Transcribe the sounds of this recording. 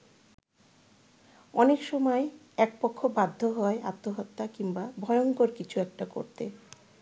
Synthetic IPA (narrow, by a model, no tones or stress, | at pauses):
ɔnekʃɔmɔe | ɛk̚pokʰːobad̪ʱːoɦɔea̰t̪ːoɦɔt̪ːakiŋbabʱɔeoŋkoɾkit͡ɕʰuɛkʈako̰ɾt̪e